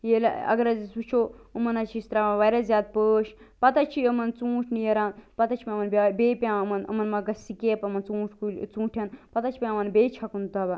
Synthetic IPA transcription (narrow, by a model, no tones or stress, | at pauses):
jel̰ɐ̰ɡɐɾɐzisut͡ʃʰoːəmɐnɐt͡ʃʰist̪ɾamaʋajɾazʲjaːd̪̚pəːʃ | pɐt̪at͡ʃʰiəmɐnt͡sũːt͡ʃʰnijɐɾaːnpɐt̪at͡ʃʰipʲãɐmɐnbabeːpʲãːmɐnə̰mɐnmɐɡɐsikeːpɐmɐnt͡sũːt͡ʃʰkut͡sũːʈʰjanpɐt̪at͡ʃʰi̥pʲãmɐnbeːt͡ʃʰɐkund̪aba